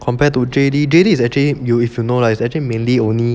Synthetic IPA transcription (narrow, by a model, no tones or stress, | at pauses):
kʰɔ̃mpɛtudedidedisɛk̚t͡ʃəlijuifjunolaisɛk̚t͡ʃəlimẽnliõnli